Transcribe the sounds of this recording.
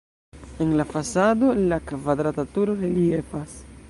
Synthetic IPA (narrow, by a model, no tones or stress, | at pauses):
e̞nlafasado̞lakvadɾatatuɾo̞ɾeliefas